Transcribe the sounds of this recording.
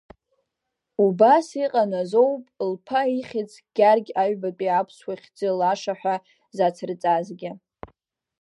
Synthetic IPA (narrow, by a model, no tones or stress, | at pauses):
ubasiqʼanazo̞wpʼlpʰaiχʲɪt͡sʰʼɡ̥ʲarɡʲaɥbapʼiapʰswaχʲd͡zʼɨlaʂaħʷᶣa | zat͡sʰɨrt͡sʼazɡʲa